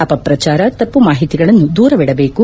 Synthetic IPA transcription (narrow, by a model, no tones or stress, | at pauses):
aːpɐpɾɐt͡ʃaːɾɐt̪ɐpːumaːɦit̪iɡɐɭɐnːud̪uːɾɐʋɛɽɐbe̞ːku